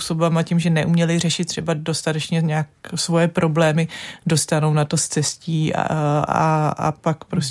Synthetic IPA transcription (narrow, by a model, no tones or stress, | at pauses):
usobamacimʒɛnɛʔumɲɛlɪr̝ɛʃɪt̪̚ːr̝̥ɛbado̞st̪at̪ɛt͡ʃɲɛɲaːksvo̞jɛpɾʔo̞blɛːmɪdo̞st̪ano̞wnat̪o̞st͡sɛsciː | a̰a̰pakpɾos